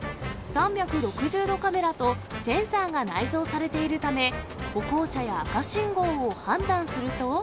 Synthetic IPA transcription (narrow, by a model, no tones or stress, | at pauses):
sãmbʲjakɯ̟ɾo̞kɯ̟ʑɨːd̪o̞kame̞ɾat̪o̞sẽ̞ɰ̃saːɡanaizo̞ːsaɾe̞t̪e̞iɾɯ̟t̪ame̞ko̞ko̞ːɕajakaɕĩŋɡo̞ːohãnd̪ãɰ̃sɨɾɯ̟t̪o̞